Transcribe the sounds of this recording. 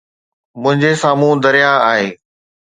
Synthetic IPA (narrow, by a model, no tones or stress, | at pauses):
mʊ̃ɦɪ̃ɲd͡ʑesaːmũːd̪ɐɾijaaːɦeː